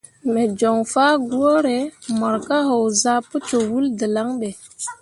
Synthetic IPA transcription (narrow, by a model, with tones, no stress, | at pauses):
me˨d͡ʒo˨ŋfaː˦ɡu˦o˦ɾe˨˦mɔ˨ɾka˦ɦo˨wza˦pə˦t͡ʃo˨wu˦ldə˨la˦ŋɓe˨